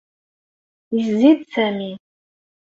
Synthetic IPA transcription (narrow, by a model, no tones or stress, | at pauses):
iszid̪sæmi